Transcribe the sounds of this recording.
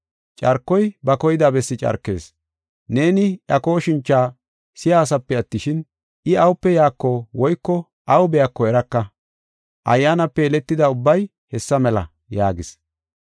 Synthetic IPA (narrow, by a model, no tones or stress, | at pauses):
t͡ʃʼɐɾkːɔjbɐkɔjɪd̪aːbɛsːɪt͡ʃʼɐ̰ɾkːe̞̰ːs | ne̞ːnɪjɐko̞ːʃɪnt͡ʃːaː | sɪjaːs̬ɐpːɛɐt̪ːɪʃɪn | ʔɪɐwʊpːɛjaːkːɔwɔjkːɔ | ʔɐwʊbɛjɐkːɔɛɾɐkːɐ | ʔɐ̰jːaːnɐpːɛɛlɛt̪ːɪd̪ɐʊbːɐj | hɛsːɐmɛlɐ̰ | jaːɡɪs